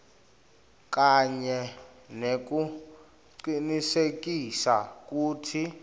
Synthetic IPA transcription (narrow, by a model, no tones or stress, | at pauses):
k̬ʼaɲɛ | nek̬u | ǀinisek̬ʼisak̬ʼuːtʰi